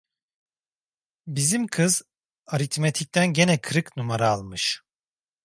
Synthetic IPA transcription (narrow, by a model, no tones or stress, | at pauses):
bizimkʰɯz | aɾit̪met̪ʰic̚t̪ʰænɟe̞nɛkʰɯɾɯknumaɾaːlˠmɯʃ